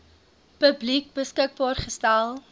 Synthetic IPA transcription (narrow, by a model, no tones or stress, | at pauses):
pəblik̚bəskək̚bɑːrχəstælˠ